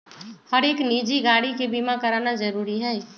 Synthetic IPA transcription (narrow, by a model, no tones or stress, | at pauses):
hɐɾeːkniːd͡ʒiɡaːɽikebiːmakɐɾaːnazɐɾuːɾiɦɛː